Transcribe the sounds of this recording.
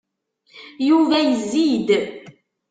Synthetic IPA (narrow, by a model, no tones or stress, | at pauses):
juvæjəzːid̪